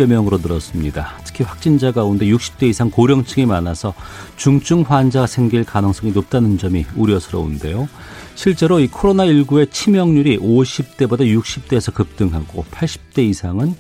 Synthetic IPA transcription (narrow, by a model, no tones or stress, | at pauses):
emjʌŋɯɾonɯɾʌs͈ɯmɲidatʰɯ̥kʰiɸwak̚t͡ɕ͈ind͡ʑaɡaunde̞juk̚ɕ͈i̥p̚t͈e̞isʰaŋkoɾjʌŋt͡ɕʰɯŋimanasʰʌt͡ɕuŋt͡ɕ͈ʰuŋɸwand͡ʑasʰe̞ŋɡiɭkanɯŋs͈ʌŋinop̚t͈anɯnd͡ʑʌmiuɾjʌsʰɯɾʌ̰ṵnde̞jo | ɕʰiɭt͡ɕ͈e̞ɾoikʰoɾonaiɭɡuet͡ɕʰimjʌŋɲuɾiʔoɕʰip̚t͈e̞bodajuk̚ɕ͈ip̚t͈e̞ːsʰʌkɯp̚t͈ɯŋɦaɡo̰pʰaɭɕ͈i̥p̚t͈e̞isʰaŋɯn